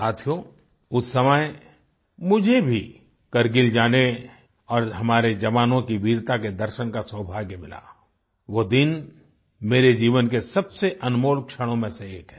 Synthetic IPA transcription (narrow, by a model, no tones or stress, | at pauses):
saːt̪ʰijo | ʊsːɐməj | mʊd͡ʒʱebʱi | kɐɾɡɪld͡ʒaːne | ɔːɾɦɐmaːɾed͡ʒɐʋaːnõkiʋiːɾt̪aked̪ɐɾʃəñkaswəbʱaːɡmɪla̰ː | ʋoːd̪ɪn | meːɾed͡ʒiːʋənkesɐbseʔɐnmoːlkʃəɽ̃õmẽseːkɦɛ